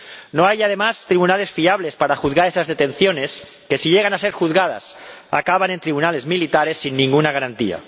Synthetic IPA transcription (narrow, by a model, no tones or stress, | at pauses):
noajað̞e̞mast̪ɾiβunale̞sfiaβle̞spaɾaxuðɣaɾesazðet̪e̞nθjone̞s | ke̞siʎeɣanase̞ɾxuðɣað̞a̰sa̰kaβ̞ane̞nt̪ɾiβunale̞zmilit̪aɾe̞sːinːĩŋɡunaɣ̞aɾant̪ia̰